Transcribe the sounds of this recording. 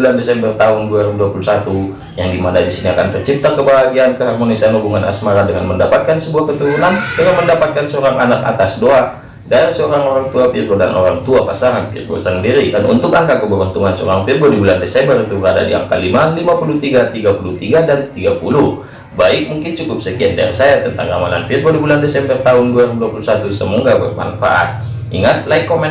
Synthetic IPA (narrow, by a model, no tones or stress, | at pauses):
ulandesɛmbərt̪aɦunduaɾibuduapulusat̪u | jaŋdimandadisiniakant̪ərt͡ʃip̚t̪akəbaɦaɡiankəɦarmonisianubuŋanʔa̰smaɾadəŋa̰nməndapat̪̚kansəbuahkət̪uɾunandəŋanməndapat̪̚kansəoɾaŋʔanaka̰t̪asdoa | daɛrsəoɾaŋoɾaŋt̪uapirɡoda̰no̰ɾaŋt̪uapasaŋanpḭrɡo̰səŋdiɾikanṵnt̪ʊkaŋkakəbəbənt̪uŋansəo̰ɾaŋpirɡodibulandesɛmbərit̪ubəɾada̰dia̰ŋka̰limalimapulut̪iɡat̪iɡapulut̪iɡadant̪iɡapulu | baɪk̚muŋkɪnt͡ʃukʊp̚səkiandɛrsajat̪ənt̪a̰ŋamala̰nfirɡodibulandesɛmbərt̪aʊnduaiɾiduapulusat̪usəmɔŋɡabərma̰nfa̰ʔa̰t̪̚ | ʔiŋat̪̚laikːomɛ